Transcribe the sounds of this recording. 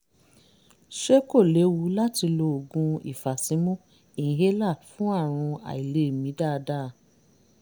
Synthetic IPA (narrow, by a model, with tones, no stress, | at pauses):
ʃe˦ko˦˨le˨˦wu˨˦la˦ti˧lo˧o˨ɡũ˧ḭ˨fa˨sĩ˨˦mũ˦ | ĩ˨ɦe˦la˦˨fũ˦a˦˨ɾ̃ũ˧a̰˨i˨le˨˦˨mĩ˨˦da˦˨˧da˦˨˧